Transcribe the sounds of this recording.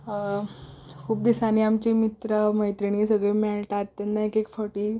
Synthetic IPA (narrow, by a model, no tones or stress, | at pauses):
kʰuːp̚d̪isaniamt͡ɕimit̪ɾəməjt̪ɾiɳ̃iːsəɡɭemɛɭʈat̪ːɛnːaekekfəʈiː